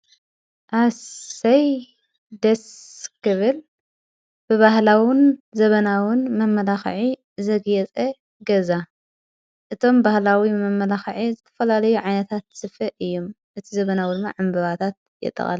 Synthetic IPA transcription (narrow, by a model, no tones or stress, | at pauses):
ʔasɐj | d̪ɐskʰɨβɨl | b̥ɨβahlawɪnzɐβɐnawɪnmɐmːɐlaxʕi | zɐɡjɛt͡sʼɐ | ɡɐza | ʔɨt̪ʰo̞mbahlawimɐmːɐlaxʕizɨt̪ʰɐ̥fɐlalɐjuʕajnɐt̪ʰat̪sɨfɐʔɨjːom | ʔɨt̪ʰizɐβɐnawid̪ɨmːa̰ʕambɐβat̪ʰat̪̚ | jɛ̰t̪ʼːɐ̰χʼa̰l